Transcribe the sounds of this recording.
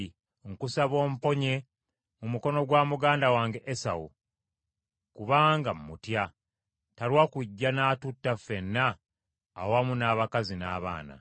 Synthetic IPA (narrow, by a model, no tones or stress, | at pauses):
ŋkusaβo̞ːmpo̞ɲe̞ | mumuko̞no̞ɡwaːmuɡaːndawaːŋɡe̞ʔesa̰wṵ | kuβaːŋɡammutja | talwakwiɟːanaːtutːafe̞nːaː | wamunaːβakazinaːβa̰ːna̰